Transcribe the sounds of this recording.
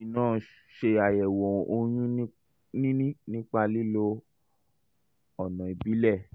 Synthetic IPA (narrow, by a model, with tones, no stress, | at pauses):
nãː˦˨˦ | ʃe˧a˨jɛ˨wɔ˨o˧j̃ũ˦ | nĩ˦nĩ˦nĩ˦k͡pa˧li˦lo˧ | ɔ˨nã˨e˨bi˨˦lɛ˦˨